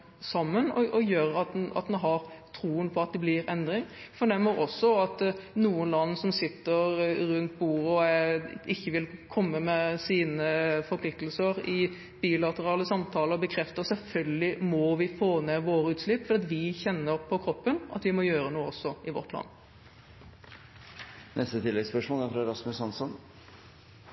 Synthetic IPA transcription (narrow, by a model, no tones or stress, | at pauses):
sɑmːənɔʔɔjøːɾɑt̪ɑ̰t̪d̪ɛnɦɑɾt̪ʰɾuːənpʰɔɑt̪̚d̪ɛblɪɾɛnd̪ɾɪŋfɔɳɛmːəɾɔsːɔɑt̪nuːənlɑnːsɔmsɪt̪ːəɾɾʉnt̪̚buːɾəɔ | ɪçːəʋɪlkʰɔmːəmɛsiːnəfɔɾpʰlɪk̚t̪əlsəɾɪ | b̥iːlɑt̪əɾɑːləsɑmt̪ʰɑːləbəkʰɾɛft̪əsɛlfœlɡəlɪmɔʋɪfoːneʋoːɾəʉːt̪slɪpːfɔɾd̪ɛːɑt̪ʋɪçɛnːəɾpʰɔkʰɾɔpːənʔɑ̰t̪ʋɪmɔjøːɾənuːəɔsːɔɪʋɔ̰t̪ʰlɑ̰nː | nʔɛst̪ət̪ʰɪlːɛɡspœʂmoːlæɾfɾɑɛɾɑsmʉsɑnsɔn